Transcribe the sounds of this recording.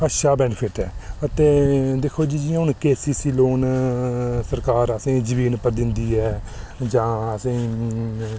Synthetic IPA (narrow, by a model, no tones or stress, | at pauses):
əʃaːbɛːnfʰɪʈɛːət̪eːd̪eːkʰːoːd͡ʒiːd͡ʒiɦʊnkeːsiːsiːloːn | səɾkaːɾəsẽːd͡ʒəʋiːnpəɾd̪ɪnd̪iːɛː | d͡ʒãːəsẽː